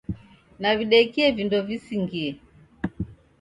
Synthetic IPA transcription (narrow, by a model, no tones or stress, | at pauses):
naviɗɛkiɛvindɔvisiŋɡiɛ